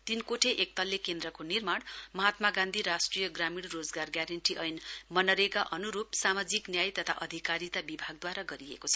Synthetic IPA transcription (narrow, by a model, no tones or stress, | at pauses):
t̪inkoʈʰeʔek̚t̪ʌlːekend̪rʌkonirmaɽmʌɦat̪maɡãnd̪ʱiɾasʈrijʌɡramiɽrod͡zɡarɡjaɾʌɳʈiʔʌjnmʌnʌɾekaʔʌnuɾupsamad͡ziknjajt̪ʌt̪ʰa̰ʔʌd̪ʱikaɾit̪abibʱaɡ̚d̪waɾaɡʌɾiḛkot͡sʰʌ̥